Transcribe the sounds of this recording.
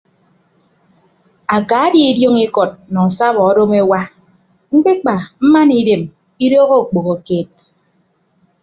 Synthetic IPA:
a˨ka˨˦di˦i˦djo˦ŋi˦kɔ˨t̚nɔ˨sa˦bɔ˨ɔ˦do˦me˦wa˦ | ŋ͡m̩˦k͡pe˦k͡pa˨m̩˦ma˦ni˦de˨m | i˦doː˦ɣo˦˨k͡po˨ɣo˨keː˦˨t̚

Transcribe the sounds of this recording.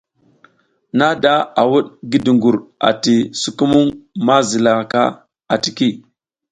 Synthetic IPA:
na˦da˦a˨wu˦ɗɡi˦di˨ŋɡu˨ɾa̰˨ti˨su˨ku˦mu˦ŋma˦zi˨la˨ka˦ | a˨ti˨ki˦˨

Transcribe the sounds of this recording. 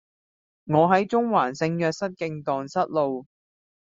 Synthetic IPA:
ŋɔː˨˧ɦɐ˨˥jt͡sʊ˥ŋwaː˨˩nsɪ˧ŋjœː˧k̚sɐ˥t̚kɪ˧ŋt̪ɔː˨˩ŋsɐ˥t̚lo˨w

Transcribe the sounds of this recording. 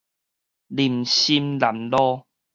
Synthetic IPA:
li˨˩mɕi˧˦mla˨˩mlɔ˦

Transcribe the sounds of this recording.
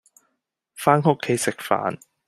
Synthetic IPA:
faː˥nhʊ˥kʰːe˨˥jsɪ˨k̚fa̰ː˨˥n

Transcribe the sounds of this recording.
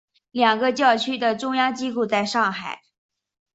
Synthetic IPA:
ljɑ˨˩ŋɡə˧t͡ɕjɑ˥˩ʊt͡ɕʰy˥d̪ə˨ʈ͡ʂʊ˥ŋjɑ˥ŋt͡ɕi˥ku˥˧t͡sa˥˧ɪʂɑ˥˩ŋxa˨˩˦ɪ

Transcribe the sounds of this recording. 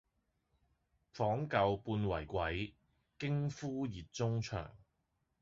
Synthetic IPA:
fɔː˨˥ŋkɐ˧wpuː˧nwɐ˨˩jkʷɐ˨˥j | kɪ˥ŋfuː˥jiː˨t̚t͡sʊ˥ŋt͡ʃʰœ̰ː˨˩ŋ

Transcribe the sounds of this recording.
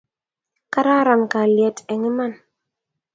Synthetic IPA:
ka˦ɾa˦ɾa˨nka˨ljɛ˨tɛ˨ŋe˦ma˦˨n

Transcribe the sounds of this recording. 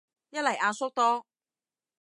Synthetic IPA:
jɐ˥t̚lɐ˨˩jʔaː˧sʊ˥k̚t̪ɔː˥

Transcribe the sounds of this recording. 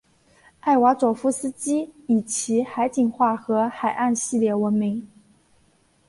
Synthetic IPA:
a˥˩ɪwa˧˥t͡swɔ˨˩fu˧˥sɹ̩˥t͡ɕi˥i˨˩t͡ɕʰi˧˥xa˧˥ɪt͡ɕi˨˩ŋxwa˥˩xɤ˧˥xa˨˩ɪʔa˥˧nɕi˥˧ljɛ˥˩wə˧˥nmi˧˥ŋ

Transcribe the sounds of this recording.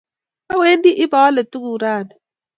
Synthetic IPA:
a˦we˦ndi˦ʔɪ˦ba˨wa˦le˨tu˦ɡu˨ɾaː˦˨na˨

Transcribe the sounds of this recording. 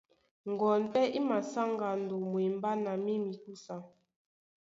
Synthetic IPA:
ŋ˨ɡɔ˨npɛ˦ʔi˦ma˨sa˦ŋɡa˨n̩˨do˨mwi˨m˦ba˦na˨mi˦mi˨ku˦sa˨

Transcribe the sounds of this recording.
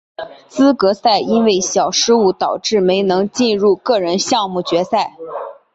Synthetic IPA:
t͡sɹ̩˥kɤ˧˥sa˥˩ɪi˥nwe˥˩ɪɕjɑ˨˩ʊʂɻ̩˥u˥˩t̪ɑ˨˩ʊʈ͡ʂɻ̩˥˩me˧˥ɪnɤ˧˥ŋt͡ɕi˥˧nɻu˥˧kɤ˥˩ɻə˧˥nɕjɑ˥˧ŋmu˥˩t͡ɕɥɛ˧˥sa˥˩ɪ

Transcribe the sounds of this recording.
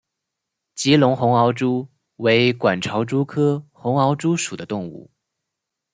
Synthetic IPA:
t͡ɕi˧˥lʊ˧˥ŋxʊ˧˥ŋɑ˧˥ʊʈ͡ʂu˥ | we˧˥ɪkwa˨˩nʈ͡ʂʰɑ˧˥ʊʈ͡ʂu˥kʰɤ˥xʊ˧˥ŋɑ˧˥ʊʈ͡ʂu˥ʂu˨˩d̪ə˦t̪ʊ˥˧ŋṵ˥˩

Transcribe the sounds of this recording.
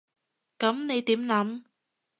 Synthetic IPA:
kɐ˨˥mne˨˧jt̪iː˨˥mlɐ˨˥m

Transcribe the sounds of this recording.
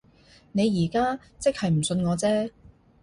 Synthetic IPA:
ne˨˧jiː˨˩kaː˥ | t͡sɪ˥k̚hɐ˨jm̩˨˩sɵ˧nŋɔː˨˧t͡sɛː˥

